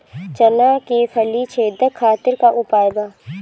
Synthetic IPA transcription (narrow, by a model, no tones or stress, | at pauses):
t͡ʃənaːkefʰɐlit͡ʃʰeːd̪əkʰaːt̪ɪɾkaʔʊpaːjbaː